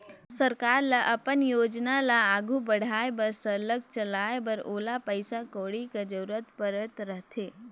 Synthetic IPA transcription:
səɾkaːɾlaʔɐpənjoːd͡ʒnalaːɡʱubəɽ̤aːebɐɾsələɡ̚t͡ʃəlaːebɐɾoːlapəɪsakoːɽikad͡ʒəɾɾət̪pəɾət̪ɾəɦt̪ʰeː

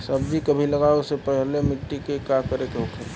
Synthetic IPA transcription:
sɐbd͡ʒʱikəbʱilɐɡaesepɛɦlemɪʈːikekakəɾekeɦʊkʰe

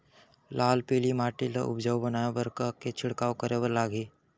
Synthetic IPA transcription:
laːlpiːlimaːʈilə̰ʔʊ̰bd͡ʒəwbənaːebəɾkaket͡ʃʰɪɽkaːwkəɾebəɾlaːɡiː

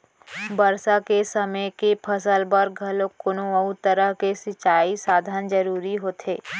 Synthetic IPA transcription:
bɐɾsakesɐməjkepʰɐsəlbɐɾɡʱɐlokʊnõɐut̪əɾəɦkesɪt͡ʃːaːisaːd̪ʱand͡ʒɐɾuːɾiɦoːt̪ʰeː

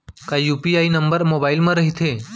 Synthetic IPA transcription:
kaijupiainəmbəɾmobailməɾəɦit̪ʰe

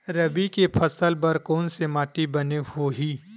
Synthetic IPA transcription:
ɾɐbikepʰɐsəlpɐɾkɔːnsemaːʈibɐnehoɦiː

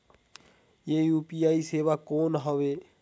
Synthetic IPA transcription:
jeːjuːpiːaːiːseːʋaːkoːnɦoʋeː

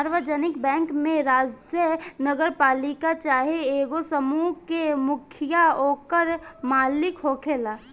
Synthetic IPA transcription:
aɾʋəd͡ʒənɪkbɛ̃ːŋkmẽɾaːd͡ʒjənəɡəɾpaːlikat͡ʃaːɦeeːɡosəmukemʊkʰɪjaoːkəɾmaːlɪkɦoːkʰeːlaː

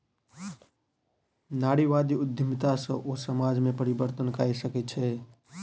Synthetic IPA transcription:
naɽiʋad̪iʊd̪ʱjəmt̪asə̰̃ʔosəmad͡ʒmẽpəɾibəɾt̪ənka̰isəkɛt͡ʃʰɛ

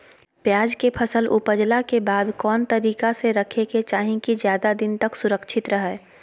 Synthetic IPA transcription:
pjaːd͡ʒkepʰəsəlʔʊpəd͡ʒlakebaːd̪kɔːnt̪ɐɾiːkaseɾɐkʰeket͡ʃaːɦĩkizjaːd̪ad̪ɪnt̪əksʊɾəkʃʰɪt̪ɾɐɦɛː

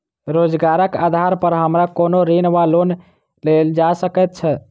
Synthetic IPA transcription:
ɾod͡ʒɡaɾəka̰d̪ʱaɾpəɾɦəmɾakonoɾinʋalon | leld͡ʒasəkɛt̪̚t͡ʃʰɛ

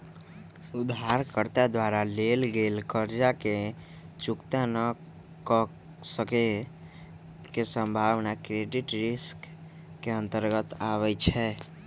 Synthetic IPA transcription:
ud̪ʱaɾkəɾt̪ad̪waɾalelɡelkəɾd͡ʒake | t͡ʃukt̪anə | kə | səke | kesə̃mbʱaʋnakɾeɖiʈɾiskː | eə̃nt̪əɾɡət̪aβɛt͡ʃʰɛ

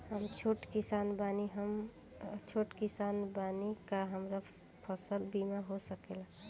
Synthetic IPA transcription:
həmt͡ʃʰoʈkisanbaniɦəm | t͡ʃʰoʈkisanbanikaɦəmɾa | pʰəsəlbimaɦosəkela

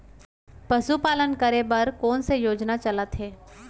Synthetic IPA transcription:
pɐsupaːlənkəɾebɐɾkɔːnsejoːd͡ʒnat͡ʃɐlət̪ɦeː

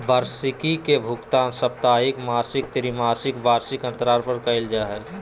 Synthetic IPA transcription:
baːɾsɪkikebʱʊkt̪aːnsɐp̚t̪aːɦɪkmaːsɪk̚t̪ɪɾimaːsɪkbaːɾsɪkɐ̃nt̪ɾaːɾpʰəɾkaɪld͡ʒaɦɛː

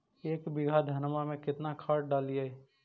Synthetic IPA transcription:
eːkbɪɡʱad̪ʱɐnmamẽkɪt̪nakʰaːɾɖaːliae

